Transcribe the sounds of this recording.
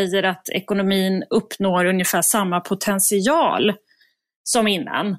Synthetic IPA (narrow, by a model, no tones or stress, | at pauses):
ɛjːəɾat̪ʰɛ̰kʊnʊmiːnɵpːnoːɾɵnjəfæːʂamːapʰʊt̪ʰɛnsɪɑːl | sɔmɪnːa̰n